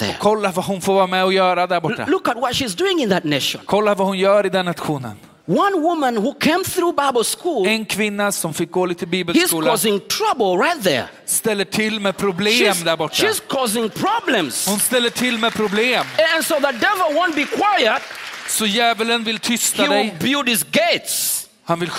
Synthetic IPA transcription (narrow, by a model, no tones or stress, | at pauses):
ðɛ̰ɔ̰kʰɔlːavaɦʊnfoːɾvɑːɾamɛɔjœːɾad̪æɾbɔːa̰lʊkət̚wʌtʃizduɪ̃ŋɪ̃nðɨt̚ⁿneʃə̰̃nkʰɔlːavahʊnjœːɾɪd̪ɛnːat̪ɧuːnə̰n | wʌ̃nwʊmə̃nhukʰẽɪ̃mθɹubaɪbəl̩ˠskulɛnkʰvɪnːasɔmfɪk̚ɡoːlit̪ʰːɪlbiːbɛlʃisz̥kuːlk̪ɔzɪ̃ŋtʰɹ̥abəl̩ˠɹaɪt̪̚ðə̰˞ | st̪ɛlːəʈʰɪlːmɛpʰɾʊbleːmd̪æɾbɔʈːʃːaiz̥kʰɔzɪ̃ŋpʰɹ̥ɑblə̃mshʊnst̪ɛlːəʈʰɪlːmɛpʰɾʊbleːmɛ̃nsoʊðət̚dɛvəl̩wõnt̚bikʰw̥ajət̚sɔjɛːvələnvɪlt̪ʰʏst̪haid̪ɛɪlbjudɪzɡeɪts | hanvɪl